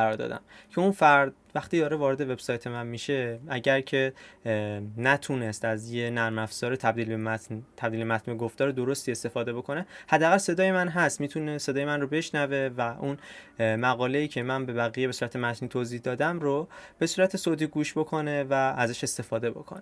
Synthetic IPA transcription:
æɾɒːɾd̪ɒ̰ːd̪æ̰mcʰe̞unfæɾd̪̚ | væxt̪iːd̪ɒːɾe̞vɒːɾe̞d̪e̞ve̞b̥sɒjt̪ʰe̞mænmiʃe̞æɟæɾcʰe̞ | næt̪ʰune̞st̪æzje̞næɾmæfz̥ɒːɾet̪ʰæb̚d̪iːlbemæt̪nt̪ʰæbd̪ilbemæt̪ʰnmeɡoft̪ɒːɾed̪o̞ɾo̞st̪ie̞st̪e̞fɒːd̪e̞bo̞kʰo̞ne̞hæd̪ːæɣælse̞d̪ɒːje̞mænɦæst̪miːt̪ʰune̞sed̪ɒːjemænrobe̞ʃnæve̞væʔunmæɣɒːle̞iːcʰe̞mænbe̞bæɣijebe̞suːɾæt̪ʰemæt̪ʰnit̪ʰoːzihd̪ɒːd̪æmɾob̥e̞suːɾæt̪ʰe̞sot̪ʰiɡuːʃbo̞kʰo̞ne̞væːzæʃe̞st̪e̞fɒːd̪e̞bo̞̰kʰo̰ne

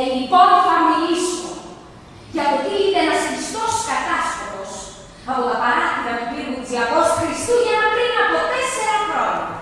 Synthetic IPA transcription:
elipo̞nofɐmiliso | ʝɐpot̪iiðeenɐsist̪o̞skɐt̪ɐst̪oos | ɐpot̪ɐpɐɾɐt̪iɾɐp̪upiɾut͡siɐɣosxɾist̪uʝɐnɐkɾiunɐpot̪eseɾɐxɾo̞ɲɐ

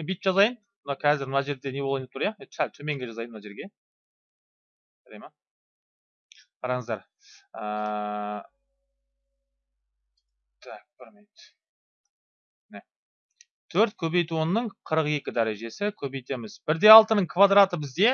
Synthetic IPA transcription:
ebij̪t̪ʒɑzɑjən | mənɑqʲʰæzɪɾmənɑʒe̞ɾd̪e̞ne̞oɑjnt̪uɾjɑesælt̪ʰɵme̞ŋɡʲe̞ʒɑzɑjənmnɑʒe̞ɾɡʲe̞ | ʒ̥æɾejmɑ | qʰɑɾɑɴəzd̪ɑɾ | ə | t̪ʰæk̚b̥ɪɾmejt̪ | ne | t̪ʰɵɾt̪̚kʲʰɵbe̞jt̪uwonːəɴqʰəɾəqe̞kʲɪd̪æɾe̞ʒe̞sɪkʲʰɵbe̞jt̪e̞mɪzbɪɾd̪e̞ɑlˠt̪ənəɴkʰvad̪ɾat̪əbɪzd̪e̞

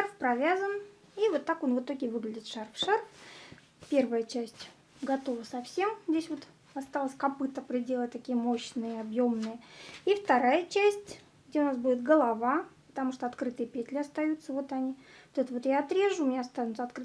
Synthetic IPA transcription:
ʂarfpɾɐvʲazən | ivo̞t̪ːakonvɨt̪o̞ɡʲɪvɨɡlʲɪdʲɪt̪ʂarfʂarf | pʲe̞rvəjət͡ɕæsʲtʲ | ɡɐt̪o̞vəsɐfsʲe̞mzʲdʲesʲvo̞t̪ | ɐst̪alˠəsʲkɐpɨt̪əpɾʲɪdʲelˠət̚ʲt̪ɐkʲijəmo̞ɕnɨjəɐbjomnɨjəift̪ɐɾajət͡ɕæsʲtʲ | ɡ̚dʲeʊnasbudʲɪt̪̚ɡəlˠɐvapə̥t̪ɐmuʂt̪oɐt̪kɾɨt̪ɨjəpʲet̪ʲlʲɪɐst̪ɐjut̪səvo̞t̪ɐnʲivot̪ɛt̪əvo̞t̪jaːt̪ɾʲeʐʊʊmɪnʲaɐst̪anʊt̪sɐt̪kɾɨ

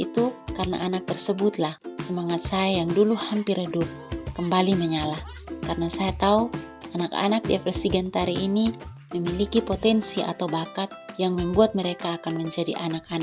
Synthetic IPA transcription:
it̪ukaɾəna̰ʔanak̚t̪ərsəbʊt̪lahsəmaŋat̪̚sajajaŋduluhampɪɾədʊp̚kəmbaliməɲalah | karənasajat̪au | anaka̰nak̚diafɛrsiɡɛnt̪aɾiʔːni | məmilikipot̪ɛnsia̰t̪awbakat̪̚jaŋməmbuat̪̚məɾekaːkanməɲd͡ʒadḭʔanak̚an

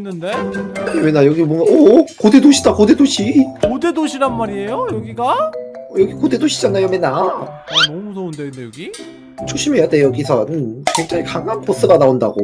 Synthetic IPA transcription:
nːɯndemenːajʌɡimwʌŋɡaʌkode̞doɕʰidakode̞doɕʰikodedoɕʰiɾanmaɾie̞jojʌɡiɡaʌjʌɡikode̞doɕʰid͡ʑanajomenːa | mudʌndedejɡi | t͡ɕʰoɕ͈ʰimejade̞jʌɡisʰʌnkweŋd͡ʑaŋikaŋankos͈ɯɡanaonda̰ɡo̰

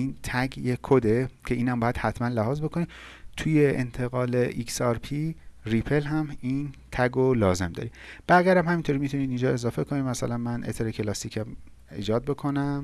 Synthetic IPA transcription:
iːnt̪ʰæɡjekʰod̪ecʰe̞iːnæmbɒːjæd̪̥hæt̪ʰmænlæɦɒːzbe̞kʰoniː | t̪ʰuːje̞ʔḛnt̪ʰe̞ɣɒːleʔiksɒɾpʰiripʰe̞lɦæmiːnt̪ʰæɡolɒːze̞md̪ɒ̰ɾib̥æɣijæɾæmhæmint̪ʰoɾimit̪ʰuniːd̪ind͡ʒɒːe̞zɒːfe̞kʰo̞niːmæsælænmænʔḛt̪ʰeɾecʰelɒst̪iːkʰæm | iːd͡ʒɒːd̪̚be̞kʰo̞næm

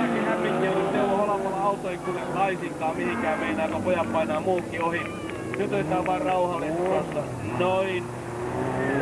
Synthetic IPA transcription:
kihæmpikːionːysieloholɑpɑlːɑɑut̪oikyʋest̪ɑisiŋkˑɑːmmihiŋkæːmmeinæikopojɑppɑinɑːmuːkːiohi | nyt̪ost̪æːʋʋɑːrrɑuhɑlːet̪ːosːɑ | noin

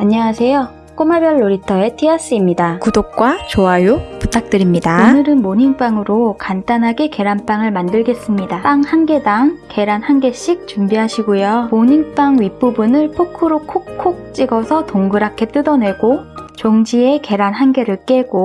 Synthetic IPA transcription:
aɲːʌwasʰe̞jo | k͈omabjʌɭːoɾitʰʌe̞tʰias͈ɯimɲidakudok̚k͈wat͡ɕoajuputʰak̚t͈ɯɾimɲidaonɯɾɯnmoɲiŋp͈aŋɯɾokantanɦaɡe̞ke̞ɾanp͈aŋɯɭmandɯɭɡe̞s͈ɯmɲidap͈aŋhanɡe̞daŋke̞ɾanhanɡe̞ɕ͈ik̚t͡ɕumbiɦaɕʰiɡojomoɲiŋp͈aŋɥip͈ubunɯɭpʰokʰɯɾokʰokkʰːok̚t͡ɕ͈iɡʌsʰʌtoŋɡɯɾakʰe̞t͈ɯdʌnwe̞ɡot͡ɕoŋd͡ʑie̞ke̞ɾanɦanɡe̞ɾɯɭk͈e̞ɡo

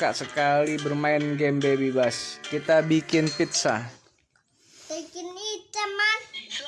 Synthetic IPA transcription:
ka̰ʔsəkalibərmaɪnɡɛmbebebaskit̪abikɪnpit̪̚sa̰ | bəkinitəma

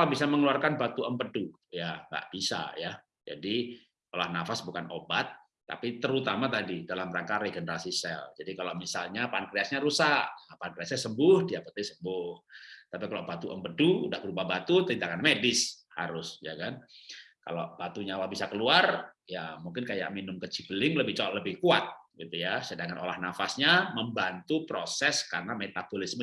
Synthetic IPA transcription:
labisaməŋluarkanbat̪uʔəmpədu | jaŋɡa̰ʔb̥isa̰ja | d͡ʒa̰di | olahnafasbukanobat̪̚ː | a̰pit̪əɾut̪amat̪adidalamɾaŋkaɾeɡənəɾasisɛ̰ld͡ʒadikalamisalɲapankɾiasɲaɾusaʔpankɾiasɲasəmbʊhdiapət̪esəmbʊht̪apikalobat̪uʔəmpəduṵdahbəɾupahbat̪ut̪əɾint̪akanmedɪsha̰ɾʊsja̰kanka̰lo̰b̥at̪uɲawabisakəluar | jamuŋkɪnkaja̰ʔ̚minʊmkət͡ʃibəlɪŋləbɪht͡ʃoaʔləbɪhkuat̪̚ɡit̪ujasədaŋano̰lahnafasɲaməmbant̪upɾosɛskarnamet̪abolɪsm

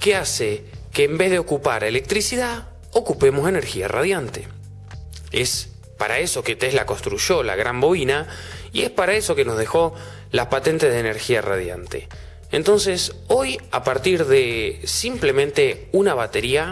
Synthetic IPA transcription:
keasekeːmbe̞zðeo̞kupaɾele̞k̚t̪ɾisiðað | okupe̞mo̞se̞ne̞ɾxia̰ra̰ð̞jant̪e | es | paɾaeso̞ket̪eslakonst̪ɾuʒo̞la̰ɣɾambo̞inaie̞spaɾae̞so̞keno̞zðe̞xo̞ | laspat̪e̞nt̪eðeːneɾxiara̰ð̞ja̰nt̪ḛ | ent̪o̞nseso̞ja̰paɾt̪iɾðesimple̞mẽnt̪e̞unaβat̪e̞ɾia

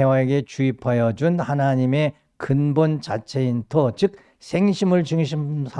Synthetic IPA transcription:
ewae̞ɡe̞t͡ɕuipʰajʌd͡ʑunhanaɲime̞ | kɯnbont͡ɕat͡ɕʰe̞intʰot͡ɕɯk̚ | sʰe̞ŋɕʰimɯɭt͡ɕɯŋɕʰimsʰa

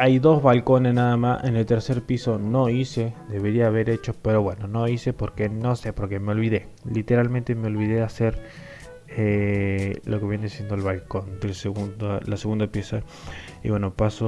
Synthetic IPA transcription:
ajðo̞zβalko̞nesnaðamasḛne̞lt̪e̞ɾse̞ɾpiso̞no̞ise̞d̪e̞βeɾiaːβe̞ɾe̞t͡ʃo̞pe̞ɾo̞βwe̞no̞noise̞po̞ɾke̞no̞sepo̞ɾke̞meo̞lβiðe̞ | lit̪e̞ɾalmẽnt̪emeo̞lβiðease̞ɾ | e | lo̞ke̞βjeneasje̞nd̪olβalko̞nd̪elseɣundalaseɣund̪apje̞sa | iβwe̞no̞paso

